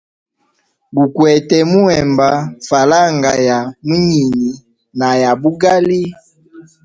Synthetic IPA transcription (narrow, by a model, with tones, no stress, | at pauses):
bu˨kwɛ˨tɛ˨mu˦ɛ˨mba˨fa˨la˦ŋɡa˨ja˨mu˦ɲi˨ni˨ | na˨ja˨bu˦ɡa˦li˦